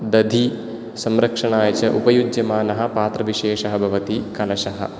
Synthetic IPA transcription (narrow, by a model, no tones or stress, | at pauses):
d̪ɐd̪ʱi | sɐmɾɐkʂɐɳaːjɐt͡ʃɐʔupɐjud͡ʒjɐmaːnɐɦɐ̆paːt̪ɾɐʋiʃeːʂɐɦɐbʱɐʋɐt̪ikɐlɐʃɐɦɐ̰̆